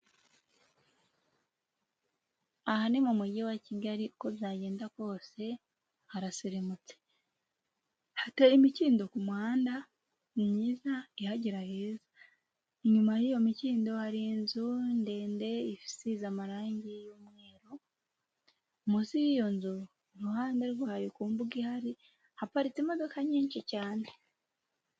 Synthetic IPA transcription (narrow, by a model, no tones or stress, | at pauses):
ahanemumuɟewaciɡaɾiuko̞βjaːɟe̞ːndako̞ːse̞ | haɾasiɾimut͡se̥ | hatejimiciːndo̞kumwaːnda | mɲiːzaihaɟiɾaheːzḁ | iɲumajijo̞miciːndo̞haɾinzunde̞ːnde̞ifi̥sizamaɾaːɲɟijomwe̞ːɾo | musijijo̞nzu | ɾuhaːndeɾɡwaːjokuːmbuɡihaɾi | hapaɾit͡semo̞do̞kaɲiːɲʃicaːne